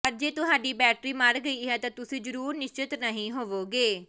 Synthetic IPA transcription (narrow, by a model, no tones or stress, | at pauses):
pəɾd͡ʒeːt̪ʊɦaːɖiːbɛːʈɾiːməɾɡəiːɦɛːt̪ãːt̪ʊsĩːzəɾuːɾnɪʃt͡ʃɪt̪nəɦĩːɦoːʋoːɡeː